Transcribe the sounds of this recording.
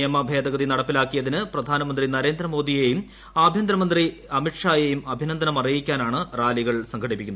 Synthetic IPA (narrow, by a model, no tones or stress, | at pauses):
jɐmɐbʱeːd̪ɐɣɐðinɐɽɐpːilaːkːijɐðinɨprɐd̪ʱaːnɐmɐnd̪rinɐɾe̞ːnd̪rɐmo̞ːd̪ije̞jum | aːbʱjɐnd̪ɾɐmɐnd̪ri | ɐmiʈʂaːjejumɐbʱinɐnd̪ʱɐnɐmɐrijikʲːaːnaːɳɨraːliɣɐɭsɐŋkʰɐɽipːikʲːunð